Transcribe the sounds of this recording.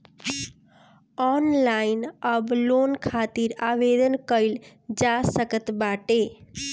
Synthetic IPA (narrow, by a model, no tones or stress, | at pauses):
ɔnlaɪnəblonkʰaːt̪iɾaːʋed̪ənkəil | d͡ʒasəkət̪baːʈe